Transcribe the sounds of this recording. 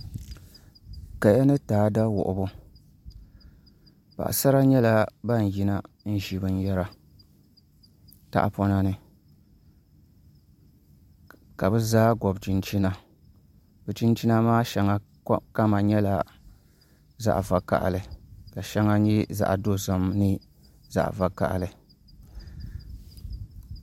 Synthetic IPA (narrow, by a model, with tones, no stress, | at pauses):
ka˨ja˦nɨ˦taː˨˦da˦wʊ̰˨ʔʊ̰˨bʊ˦ | ba̰˨ʔa̰˨sa˦ɾa˦ɲɛ˦la˦ba˦n˨ji˦na˦ | n̩˦ʒi˨bɨ˦n˦jɛ˦ɾa˨ | ta̰˦ʔa̰˨pɔ˦na˦nɨ˨ | ka˨bɨ˦zaː˦ɡɔ˨bt͡ʃi˨nt͡ʃi˦na˦ | bɛ˨t͡ʃi˦nt͡ʃi˦na˦maː˦ʃɛ˨ŋa˦ | ka˦ma˨ɲɛ˦la˨ | za̰˦ʔva˨ka̰˨ʔa̰˨lɨ˨ka˨ʃɛ˦ŋa˦ɲi˦za̰˨ʔa̰˨do˦za˨mnɨ˦ | za̰˦˨ʔva˨ka̰˨ʔlɨ˨